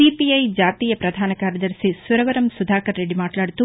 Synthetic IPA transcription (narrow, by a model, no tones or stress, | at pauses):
ipiɐjd͡ʒaːt̪iːjɐpɾɐd̪ʱaːnɐkaːɾjɐd̪ɐɾsisʋɐɾɐʋɐɾɐmsud̪ʱaːkɐɾːeɖimaːʈlaːɽt̪u